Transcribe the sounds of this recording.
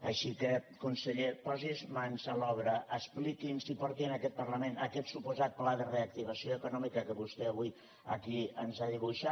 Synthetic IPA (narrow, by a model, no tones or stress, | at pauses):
əʃikəkunsəʎepɔzizmansəlɔβɾəʔəsplikinsipɔɾt̪iənəkɛt̪̚pəɾləmenəkɛt̪supuzat̪̚plaðəreək̚t̪iβ̞əsioəkunɔmikəkəβust̪ɛəβuj | ə̰kiənzaðiβ̞uʃa